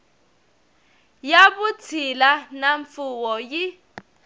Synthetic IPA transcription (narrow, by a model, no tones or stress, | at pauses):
jaβut͡sʰilanaɱfuwɔji